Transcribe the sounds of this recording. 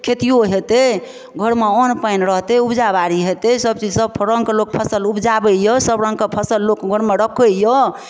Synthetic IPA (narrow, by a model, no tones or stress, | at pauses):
kʰet̪ijoɦet̪e | ɡʱəɾmeənpəjnɾəɦt̪ɛubd͡ʒabaɾiɦet̪esəb̚t͡ʃid͡ʒsəb̚pʰɾəŋɡkəlok̚pʰəsəlubd͡ʒabɛjəsəbɾə̃ŋɡkepʰəsəlːokɡʱəɾmeɾəkʰejɔ